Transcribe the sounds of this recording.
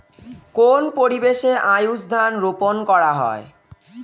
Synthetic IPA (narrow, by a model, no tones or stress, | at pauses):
konpoɾibeʃeʔajusd̪ʱanɾuponkɔɾaɦɔ̰e